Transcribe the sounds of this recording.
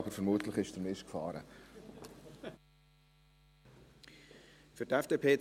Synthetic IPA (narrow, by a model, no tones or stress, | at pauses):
bəɾfəɾmuːtləχɪʃdəɾmɪʃkfɑ̰ːɾə̰ | fʏtɛfd̥eːpʰeːt